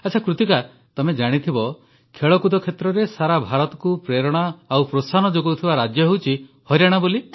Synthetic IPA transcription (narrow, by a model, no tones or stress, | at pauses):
atːt͡ʃʰakɾut̪ika | t̪ɔmed͡ʒaɽ̃it̪ʰibɔ | kʰeɭɔkud̪ɔkʰet̪ɾɔɾesaɾabʱaɾɔt̪ɔ̥kupɾeɾɔɽ̃ɔawpɾosanɔd͡ʒoɡowt̪ʰibaɾad͡ʒjɔɦewt͡ʃʰihɔjɾaɽ̃ɔboli